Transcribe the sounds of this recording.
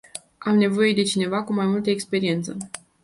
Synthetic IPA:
amne̞vo̞je̞d̪e̞t͡ʃine̞vakumajmult̪əekspe̞ɾie̞nt̪sə

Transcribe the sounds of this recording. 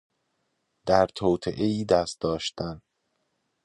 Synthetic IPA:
d̪̥æɾt̪ʰoːt̪ʰeʔeiːd̪æst̪̚d̪ɒːʃt̪æn

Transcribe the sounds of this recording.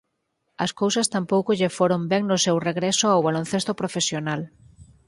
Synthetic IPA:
ɐskowsɐst̪ampowkoʎefoɾombɛŋnʊsewreɣɾesoawβalonθest̪opɾofesjonal

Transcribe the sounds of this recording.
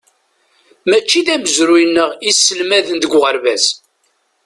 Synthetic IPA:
mæt͡ʃːiðæməzɾujənːəʁisːəlmæðənd̪əɡʷʁəɾvæs

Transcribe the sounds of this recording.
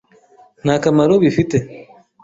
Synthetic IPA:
nakamaɾoβifitɛ

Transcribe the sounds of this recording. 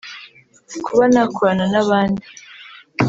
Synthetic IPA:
kʰuβanakʰoɾananaβaːndi

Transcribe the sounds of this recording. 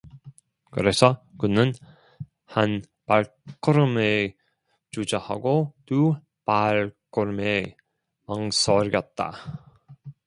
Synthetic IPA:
kɯɾe̞sʰʌkɯnɯn | han | paɭ | k͈ɯɾɯme | t͡ɕud͡ʑaha̰ɡotu | paɭk͈ɯɾɯme | maŋsʰʌɾɡjʌt̚t͈a̰

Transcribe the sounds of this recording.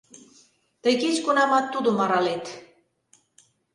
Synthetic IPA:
t̪əjket͡ɕkunɑmɑt̪ːud̪omɑɾɑlet̪

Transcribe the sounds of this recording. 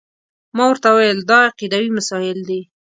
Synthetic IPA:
mɑwəɾt̪awajəld̪ɑɑqid̪awimasɑjɪld̪e

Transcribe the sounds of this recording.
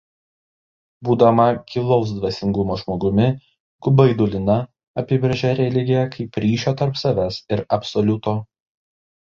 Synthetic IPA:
buːd̪ɐmɐkʲɪlˠɔʊs̬d̪ʋɐsʲɪŋɡʊmoːʒmoːɡʊmʲɪ | ɡ̥ʊbɐɪd̪ʊlʲɪnɐ | ɐpʲɪbɾʲɐʒʲɛɾʲɛlʲɪɡʲejɛkʰɐɪpɾʲiːʃʲoːt̪ɐɾpsɐʋʲɛsɪɾɐpsɔlʲʊt̪oː

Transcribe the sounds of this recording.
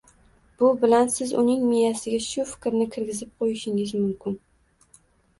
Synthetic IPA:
b̥ʊbɪlansɪzʊnɪŋmijasɪɡʲaʃʊfɪ̥kʲɾnɪkʲʰɪɾɡʲɪzɪp̚qʰojɪʃɪŋɪzmʊmkʲɪn

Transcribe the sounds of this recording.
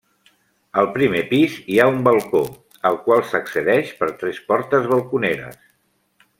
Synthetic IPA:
əlˠpɾimepiziaumbəlˠko | əlˠkwalˠsəksəðɛʃpəɾt̪ɾɛspɔɾt̪əzβəlˠkuneɾə̰s

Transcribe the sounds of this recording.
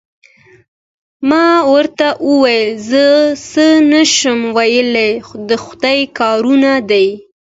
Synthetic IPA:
mɑwəɾt̪aʔəwajəlzəsənaʃəmwajəled̪əxʊd̪ajkɑɾunad̪aj

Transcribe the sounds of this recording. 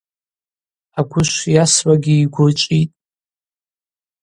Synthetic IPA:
aɡʷʊʃʷjaswaɡʲɪːɡʷʊrt͡ʃʷʼitʼ

